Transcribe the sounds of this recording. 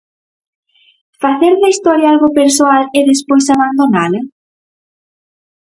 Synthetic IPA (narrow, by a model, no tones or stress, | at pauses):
faθeɾðɐist̪ɔɾjaalɣopeɾsoaleðespojsaβand̪onalɐ